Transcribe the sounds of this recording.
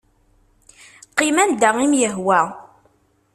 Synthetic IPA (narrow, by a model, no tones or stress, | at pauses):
qːimænd̪æʁimjəɦwæ